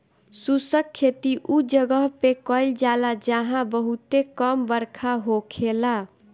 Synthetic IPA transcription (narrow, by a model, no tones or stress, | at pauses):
susəkʰːet̪iʔud͡ʒəɡəɦpekəld͡ʒalad͡ʒəɦãbəɦut̪ekəmbəɾkʰaɦokʰela